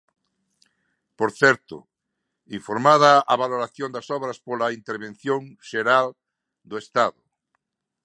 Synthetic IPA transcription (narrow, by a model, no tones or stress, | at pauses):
poɾθɛɾt̪ʊ̰ | iɱfoɾmað̞aaβaloɾaθjõnd̪asɔβɾaspolaint̪eɾβẽn̟θjõŋʃeɾal | d̪oest̪aðʊ